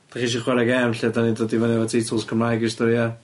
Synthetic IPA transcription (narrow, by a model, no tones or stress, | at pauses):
d̥aχiʃ̬iχwɛɾaɡɛmɬiadanidɔdivanɛvatʰitʰɔlˠskʰəmlajɡistɔɾja